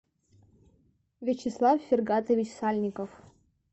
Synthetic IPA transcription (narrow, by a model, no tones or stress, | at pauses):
vʲɪt͡ɕɪslˠafːʲɪrɡat̪əvʲit͡ɕsalʲnʲɪkəf